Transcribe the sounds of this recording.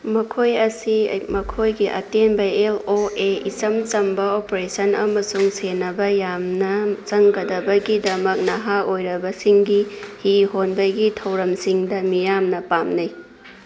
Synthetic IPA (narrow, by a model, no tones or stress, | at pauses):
mɐkʰojɐsimɐkʰojɡiʔɐ̰tenbɐeloeisɐmt͡ʃɐmbɐopɾesɐnɐmɐsuŋsenɐbɐjamnɐt͡ʃɐŋɡɐdɐbɐɡidɐmɐk̚nɐɦaojɾɐbɐsiŋɡihiɦonbɐɡitʰɐwɾɐmsiŋdɐmijamnɐpamnɐj